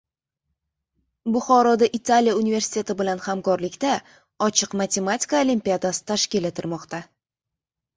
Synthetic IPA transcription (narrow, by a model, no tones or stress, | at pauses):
bʊχɒɾɒd̪aʔɪt̪ʰaljaunive̞ɾsɪ̥t̪ʰʲe̞t̪ɪbɪlanhamkɒɾlɪkʲt̪a | ɒt͡ʃʰɨqmat̪ʰe̞mat̪ʰʲi̥kaolimʲpʲiad̪asɪ̥t̪ʰaʃkʲɪlet̪ʰɪɾmɒqt̪a